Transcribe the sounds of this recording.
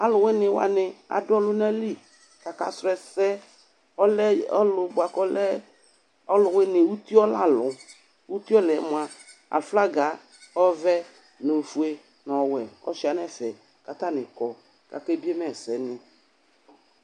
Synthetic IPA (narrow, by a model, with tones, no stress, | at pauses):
a˦lʊ˨wɪ˦nɪ̃˨wa̰˨nɪ˨a̰˨dʊ˦ɔ˦lʊ˦nɛ˦li˦ | ka˨ka̰˨sɾʊ˨˦ɛ˨sɛ˦ | ɔ˦lɛ˦ɔ˦lʊ˨bʊ˨a˨kɔ˦lɛ˦ | ɔ˦lʊ˨wɪ˦nɪ̃˨wu˦t̪i˦ɔ˦la˦lʊ˨ | wu˦t̪i˦ɔ˦lɛ˨˦mʊ˨a˨ | a̰˨fla˦ɡa˨˦ | ɔ˦vɛ˦ | nẽ˨fu˨e˦ | nɔ̃˨wɛ˨ɔ̰˦ʃi˦˨a˨nɛ˦fɛ˨ | ka˨t̪a˦nɪ˨kɔ˨ | ka̰˨ke˦bi˦e˦mɛ˦˨sɛ˨nɪ˨